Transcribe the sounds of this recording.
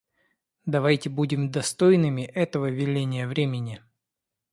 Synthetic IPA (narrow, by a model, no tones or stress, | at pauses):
d̪ɐvajtʲɪbudʲɪmd̪ɐst̪ojnɨmʲɪʔɛt̪əvəvʲɪlʲenʲɪjəvɾʲemʲɪnʲɪ